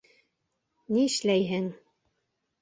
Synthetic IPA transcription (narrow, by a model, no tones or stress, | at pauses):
niɘ̆ʃlæjɦɘŋ